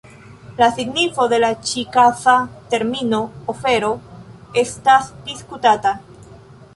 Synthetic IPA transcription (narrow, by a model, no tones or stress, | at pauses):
lasiɡnifo̞de̞lat͡ʃikasate̞ɾmino̞ofe̞ɾo̞e̞stasd̥iskutata